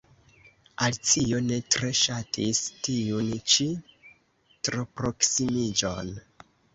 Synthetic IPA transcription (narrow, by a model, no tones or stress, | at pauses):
alt͡sio̞ne̞tɾe̞ʃatʰistijunt͡ʃi | tɾo̞pɾo̞ksimid͡ʒo̞̰n